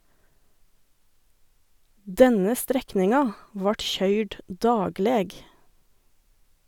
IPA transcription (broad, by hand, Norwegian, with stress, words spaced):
ˈdɛnə ˈstɾɛknɪŋɑ ˈʋɑːʈ ˈçœʏɖ ˈdɑːɡleːɡ